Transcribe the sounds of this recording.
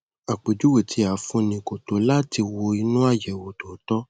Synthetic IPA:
a˨k͡pe˨d͡ʒu˨˦we˦˨tʰi˧a˨˦fũ˧nĩ˧˨ko˨to˨˦la˦ti˧wo˧i˧nũ˦a˦˨jɛ˨wo˨to˨˦tɔ˦

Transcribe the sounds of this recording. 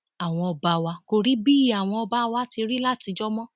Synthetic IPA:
a˨w̃ɔ̃˧ɔ˧ba˧wa˧ko˧ɾi˦bi˦i˨a˨w̃ɔ̃˧ɔ˧ba˦wa˧ti˧ɾi˦la˦˨ti˨˧d͡ʒɔ˦mɔ̃˦

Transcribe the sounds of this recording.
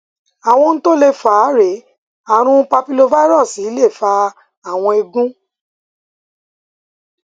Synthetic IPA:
a˨w̃ɔ̃˧n̩˦to˦le˦˨fa˨˦ɾe˨˦ | a˦˨ɾ̃ũ˧˦pa˧pi˧lo˧va˦i˦ɾɔ˦˨si˨˦le˦˨fa˧ | a˦˨w̃ɔ̃˧e˧ɡũ˦

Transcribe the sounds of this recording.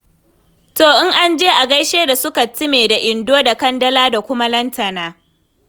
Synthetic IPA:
toː˨ʔɪ˦ŋʔa˦nd͡ʒeː˦ʔa˨ɡɐ˦jʃeː˦da˨sʊ˦ka˨tɪ˦meː˨da˨ʔɪ˨ndoː˦da˨kɐ˦ndɐ˦laː˦da˨kʷʊ˦ma˦lɐ˦ntɐ˨naː˦

